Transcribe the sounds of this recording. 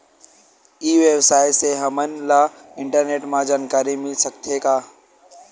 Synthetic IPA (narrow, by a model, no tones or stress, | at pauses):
iːʋebsaːɪseɦəmənla | ɪ̃ɳʈəɾneːʈmãd͡ʒaːnkaːɾimɪlsəkt̪ʰekaː